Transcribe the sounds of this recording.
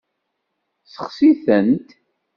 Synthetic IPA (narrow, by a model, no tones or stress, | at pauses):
səχsiθənt̪